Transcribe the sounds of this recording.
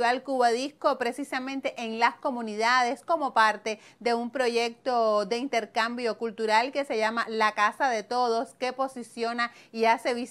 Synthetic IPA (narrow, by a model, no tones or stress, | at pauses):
βalkuβaðihko̞pɾe̞sisamẽ̞nt̪e̞ʔeŋlasko̞mũniðaðe̞sko̞mo̞paɾt̪e̞ | ðe̞umpɾo̞ʝe̞k̚t̪o̞d̪e̞int̪e̞ɾkambjo̞kult̪uɾalke̞se̞ʝamalakasaðe̞t̪o̞ðo̞ske̞po̞sisjo̞naiase̞βis